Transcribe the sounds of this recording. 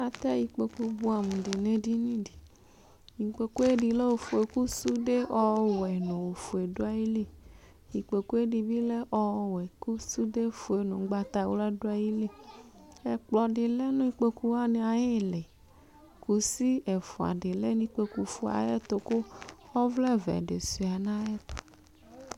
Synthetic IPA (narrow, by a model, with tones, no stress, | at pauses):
a˨t̪a˦ji˨k͡pe˨ku˧bu˦a˨mũ˨de˨nẽ˦di˦nĩ˦di˨ | ɲĩ˨k͡pe˨ku˦e˦di˨le˦wo˨fo˨e˨ku˦su˦de˦ɔ˦wɛ˨nɔ̃˨o˨fo˨e˨do˦a˦ji˦li˦ | ji˨k͡pe˨ku˦e˦ɖi˨bi˦le˦ʔɔ˦wɛ˨ku˦su˦de˦fo˨e˨nõ˨˦ɡ͡ba˦t̪a˨wo˦la˦do˦a˨ji˦li˦ | e˨k͡plɔ˨ɖi˨le˦nũ˦i˦k͡pe˦ku˦wa˦nẽ˨a˨je˦˨le˨ | ku˨si˦e˨fo˨a̰˨ɖe˨le˦nĩ˦k͡pe˦ku˨fu˨a̰˨je˦t̪o˨ko˦xɔ˦vlɛ˦vɛ̰˨ɖḛ˨si˨a˨nã˦je˦t̪o̥˨